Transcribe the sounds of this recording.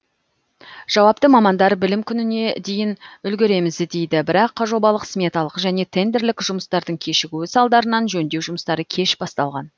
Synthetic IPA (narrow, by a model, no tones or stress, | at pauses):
ʒ̥ɑwɑp̚t̪əmɑmɑnd̪ɑɾbɪlɪmkʲʰʏnɪne̞d̪ejɪnʏlɡʲeɾe̞mɪzd̪e̞jd̪ɪbɪɾɑqʰːɑʒo̞bɑlˠəqsmʲe̞t̪ɑlˠəqʒæne̞t̪ʰe̞nd̪e̞ɾlɪkʲʒʊməst̪ɑɾd̪əɴkʲʰe̞ʃɪɡʲuɪsɑlˠd̪ɑɾənɑnʒɵnd̪e̞wʒʊməst̪ɑɾəkʲʰe̞ʃb̥ɑst̪ɑlˠʁɑn